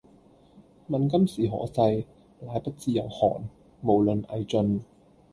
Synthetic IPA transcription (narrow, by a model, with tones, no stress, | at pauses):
mɐ˨nk̬ɐ˥msiː˨˩ɦɔ̰ː˨˥sɐ˧j | laː˨˧˥jpɐ˥t̚t͡siː˧jɐ˨˩whɔ̰ː˨˩n | mo˨˩wlɵ˨nʔɐ˨˧jt͡sɵ˧n